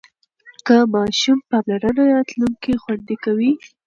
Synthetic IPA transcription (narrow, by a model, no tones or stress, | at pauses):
kəmɑʃumpɑmlaɾənaɾɑt̪luŋkixwand̪ekawi